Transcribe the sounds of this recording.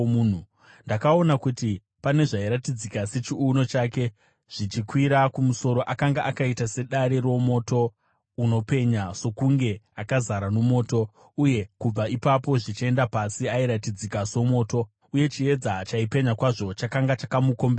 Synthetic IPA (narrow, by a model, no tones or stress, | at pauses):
uːn̤u | ndakao̞nakuti | pane̞ʐaiɾatid͡zikase̞t͡ʃiuno̞t͡ʃaːke̞ | ʐ̥it͡ʃikwiɾakumuso̞ɾo̞ʔakaŋɡaʔakaitase̞ɗaɾero̞mo̞to̞ | uno̞pe̞ɲaso̞kuŋɡe̞akazaɾanomo̞ːto̞ | uje̞kub͡vaipapo̞ʐit͡ʃie̞ndapasiaiɾatid͡zikaso̞mo̞ːto̞ | uje̞t͡ʃie̞d͡zat͡ʃaipe̞ɲakwaʐo̞t͡ʃakaŋɡat͡ʃakamuko̞mbea